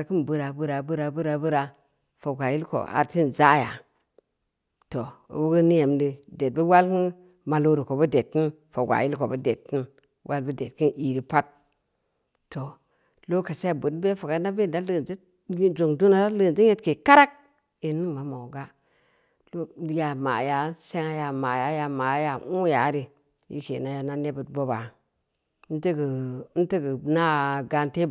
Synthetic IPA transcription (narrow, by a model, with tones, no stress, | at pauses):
a˨ɾki˦nbu˦ɾa˨bu˦ɾa˨bu˦ɾa˨bɨ˦ɾa˨bu˦ɾa˨ | fo˨ɡʷa˨ji˦lko̰˨a̰˨ɾti˦nza˦ja̰˨ | to̰˨wu˦ɡi˦ni˦je˨mdi˦de˨t̚bə˦wa˦lki˦n | ma˨lo˦ɾi˨ko˨bu˦de˨tki˦n | fo˨ɡʷa̰˨ji˦lko˨bu˦de˨tːi˦n | wʔa˦lbi˦de˨t̚ki˦nʔi˨ɾi˦pa˦t̚ | to˨ | lo˦ka˨se˦˨bu˨dbe˦fo˨ɡa˦na˦be˦˨da˦lə˦˨nd͡ʒe˦ | d͡ʒo˨ŋdu˦na˨ɾa˦lə˦˨d͡ʒi˦ɲe˦tke˨ka˦ɾa˦k̚ | i˨ni˦ŋma˨mo˨ɡa˦ | lo˦ja˨ma̰˨ja˨˦se˦ŋa˦ja˨ma˨ja˨˦ja˨ma˨˦ja˨u˦ja˨˦ɾi˦ | jḭ˦ke˨na˦ja˨na˦ne˦bu˨tbo˦ba˨˦ | ti˦ɡi˨˦n̩˦ti˦ɡə˨na˦ɡa˨nte˦